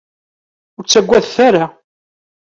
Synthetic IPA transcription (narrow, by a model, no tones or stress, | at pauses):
ʊɾt͡sːæɡʷːæðθæɾa